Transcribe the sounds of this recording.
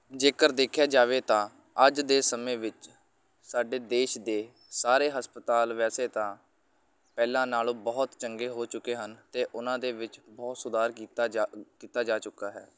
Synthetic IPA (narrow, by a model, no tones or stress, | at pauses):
d͡ʒeːkəɾd̪eːkʰjaːd͡ʒaːʋeːt̪ãː | əd͡ʒd̪eːsəmẽːʋɪt͡ʃ | saːɖeːd̪eːʃd̪eː | saːɾeːɦəspət̪aːlʋɛːseːt̪ãː | pɛːlãːnaːlõːbɔːt̪t͡ʃəŋɡeːɦoːt͡ʃʊkːeːɦənt̪eːʔʊnãːd̪eːʋɪt͡ʃbɔːt̪sʊd̪aːɾit̪ːkiːt̪aːd͡ʒaːt͡ʃʊkːaːɦɛ̰ː